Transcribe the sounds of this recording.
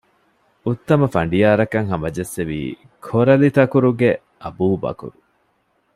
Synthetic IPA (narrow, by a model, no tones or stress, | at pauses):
ut̪ːɐmɐfɐɳɖijaːɾɐkɐŋɦɐmɐd͡ʒesːeʋḭː | kʰoɾɐlit̪ɐkuɾuɡe | ɐbuːbɐ̰kṵɾu